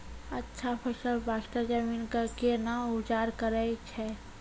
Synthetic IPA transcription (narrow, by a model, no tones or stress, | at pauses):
ɐtːʃʰapʰəʃəlbaːʃʈad͡ʒəmiːnkakenaʊd͡ʒaːɾkəɾət͡ʃʰɛː